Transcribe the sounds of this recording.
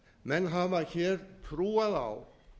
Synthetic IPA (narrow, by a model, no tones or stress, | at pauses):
mɛnɦavaɾçɛːɾt̪ʰɾuːaða̰w